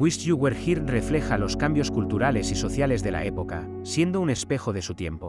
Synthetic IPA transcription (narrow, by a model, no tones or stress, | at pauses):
wisʝuɣweɾxiɾre̞fle̞xalo̞skambjo̞skult̪uɾale̞siso̞θjale̞zðe̞la̰e̞po̞ka | sje̞nd̪oune̞spe̞xoðe̞sut̪je̞̰mpo̞